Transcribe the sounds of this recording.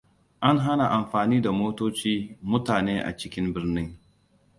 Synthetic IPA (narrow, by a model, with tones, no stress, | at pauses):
ʔa˦ŋɦa˦na˨ʔa˨mɸaː˨niː˦da˨moː˦toː˦t͡ʃiː˦mʊ˦taː˨neː˦ʔa̰˨t͡ʃɪ˦kʲɪ˦mbɪ˦rnɪ˦ŋ